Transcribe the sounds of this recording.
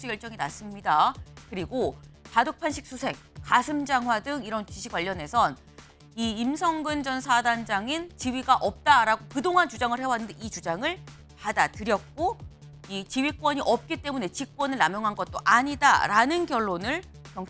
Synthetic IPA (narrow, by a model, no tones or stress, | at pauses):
sʰuɡjʌɭt͡ɕ͈ʌŋinas͈ɯmɲidakɯɾiɡokadok̚pʰanɕʰik̚s͈ʰusʰe̞ŋk͈asʰɯmd͡ʑaŋɦwadɯŋiɾʌnt͡ɕiɕʰiɡwaʎːʌne̞sʰʌn | iːmsʰʌŋɡɯnd͡ʑʌnsʰadand͡ʑaŋint͡ɕiwɥiɡaʔʌp̚t͈aɾaɡokɯdoŋɦant͡ɕud͡ʑaŋɯɭhe̞waɦanɯndeit͡ɕud͡ʑaŋɯɭ | padatɯɾjʌk̚k͈o | it͡ɕiwɥik͈̚wʌɲiʔʌp̚k͈it͈e̞mune̞t͡ɕik̚k͈wʌnɯɭnamjʌŋɦanɡʌt̚t͈oʔaɲida̰ɾanɯnkjʌɭːonɯɭ | kjʌŋ